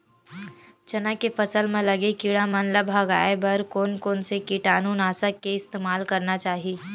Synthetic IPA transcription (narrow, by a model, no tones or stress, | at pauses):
t͡ʃɐnãkefɐsəlmẽlɐɡekiɽãmɐnləbʱɐɡaːebɐɾkoːnkoːnsekiʈaːnuːnaːsəkːeɪst̪eːmaːlkɐɾnat͡ʃaːɦieː